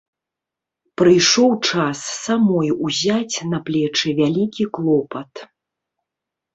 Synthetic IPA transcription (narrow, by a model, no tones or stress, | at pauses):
pɾɨjʂɔwt͡ʂasːamɔjuzʲat͡sʲnɐplʲɛt͡ʂɨvʲalʲikʲiklˠɔpɐt̪